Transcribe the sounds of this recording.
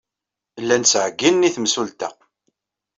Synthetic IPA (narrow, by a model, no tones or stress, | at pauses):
lːænsʕɡːinːiθmsult̪æ̰